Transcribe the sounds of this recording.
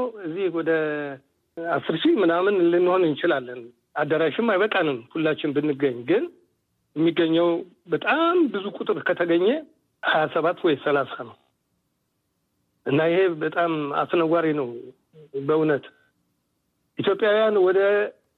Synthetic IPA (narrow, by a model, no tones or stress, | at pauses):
ɨzːihwɔd̪ə | asːɨɾʃimɨnamɨnlɨnːɨho̞nɨnt͡ʃɪlalːən | ad̪ːəɾaʃɪmːajβəkʼanɨnhulːat͡ʃːɪnbɨnːɨɡəɲːɡɨn | jɛmːiɡːəɲːəw | bət̪ʼambɨzukʼut̪ʼɨɾkʰət̪ʰəɡəɲːɛ | hajasəβat̪ːwɔjsəlasanəw | ʔɨnːajɪhe̞bət̪ʼama̰st̪ɨnəɡʷaɾinəw | bəunət̪ | ʔit̪jo̞pʼjawjanwɔd̪ə